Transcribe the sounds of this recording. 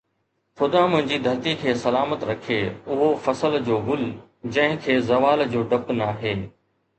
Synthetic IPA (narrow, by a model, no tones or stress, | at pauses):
xʊd̪ãmʊ̃ɦɪ̃ɲd͡ʑiːd̪ʱɐɾt̪ikʰeːsɐlaːmət̪ɾɐkʰeːʊɦofɐsəld͡ʑoːɡʊl | d͡ʑɐ̃ɦɪ̃kʰeːzɐʋaːld͡ʑoːɖɐpnaːɦeː